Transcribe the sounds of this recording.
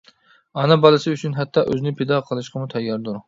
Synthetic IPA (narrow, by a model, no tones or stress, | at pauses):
ɑnɨbɑlˠɨsɨyt͡ʃʰynɦɛt̪ʰːɑʔøznɪpʰed̪ɑqʰəlˠɨʃqʰəmut̪ʰɛjːɑɾd̪uɾ